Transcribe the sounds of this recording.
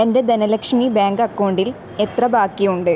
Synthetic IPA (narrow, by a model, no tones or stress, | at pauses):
ende̞d̪ɐnɐlɐkʂɐmibaːŋɡɐkːoːɳɖil | et̪rɐbaːkːijuɳɖɨ